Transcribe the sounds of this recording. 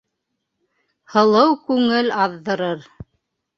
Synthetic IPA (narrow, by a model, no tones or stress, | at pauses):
hɤ̆lˠɤwkʉŋɘlɑðːɤ̆ɾɤɾ